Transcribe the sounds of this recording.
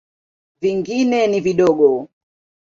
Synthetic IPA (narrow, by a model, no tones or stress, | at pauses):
viŋɡinɛniviɗɔɡɔ